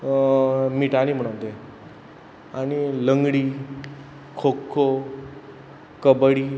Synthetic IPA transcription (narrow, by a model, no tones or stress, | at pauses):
miʈanim̤əɽ̃əʋt̪e | aɽ̃iləŋɡɽiː | kʰokʰːo | kəbɽiː